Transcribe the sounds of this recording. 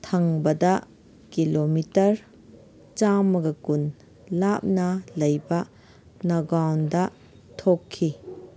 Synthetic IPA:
tʰɐŋbɐdɐ | kilomitɐɾ | t͡ʃamɐɡɐkun | lap̚nɐlɐjbɐ | nɐɡɾawndɐ | tʰokʰːi

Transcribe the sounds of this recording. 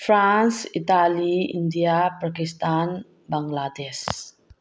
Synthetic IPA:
fɾansit̪aliḭnd̪iapakist̪an | baŋɡlad̪ɛs

